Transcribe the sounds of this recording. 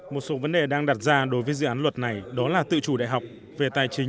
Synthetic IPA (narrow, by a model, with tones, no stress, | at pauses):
mo˨˩t̚so˨˦və˨˦nɗe˨˩ɗaː˧ŋɗaː˨˩t̚zaː˧ɗo˨˦jvəː˨˦jzɨ̰˧˨aː˨˦lwə˨˩t̚na˨˩jɗɔ˨˦laː˨˩t̪ɨ̰˧˨t͡ɕu˧˩ɗa̰ː˧˨jɦa˨˩wk͡p̚ | ve˨˩t̪aː˨˩jt͡ɕï˨˦